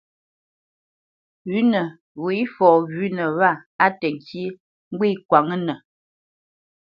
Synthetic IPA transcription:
ɥʉ˨˦nə˨ | wu˨i˦fɔː˨ɣʉ˦nə˨βa˦˨a˦tɛ˨ŋ˨ki˦ | ŋ̩˦ɡwi˦kwa˨ŋə˦nə˨

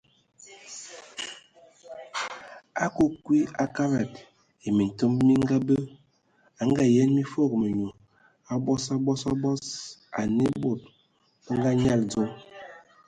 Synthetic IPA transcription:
a˦ko˦kwi˦a˦ka˦ɾa˨t | e˨mi˨n̩˨to˦mmi˦ŋ˦ɡa˦bə˦ | a˨˦ŋ˦ɡa˨jɛ˦nmi˦fo˦˨k̚mə˨ɲo˨ | a˨bɔ˦sa˦bɔ˦sa˦bɔ˦sa̰˨ne˦bo˦˨t̚ | ə˦ŋ˦ɡa˦ɲa˦˨ld͡zɔ˦

